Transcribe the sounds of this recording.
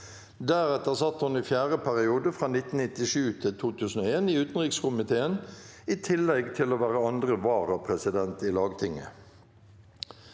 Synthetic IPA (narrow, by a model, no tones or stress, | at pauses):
d̪æːʁɛt̪əʁsɑt̪ːhʊniːfjæːʁəpʰæʁɪuːd̪əfʁɑːnɪt̪n̩nɪt̪ɪʃʉːt̪ʰɪt̪ʰuːt̪ʰʉːsn̩oːeːniːʉːt̪n̩ʁɪkskʊmɪt̪ʰeːəniːt̪ʰɪlːɛɡt̪ʰɪloːʋæːʁəɑnd̪ʁəʋɑːʁəpʰʁɛsɪd̪ɛnt̪iːlɑːɡt̪ʰɪŋə̰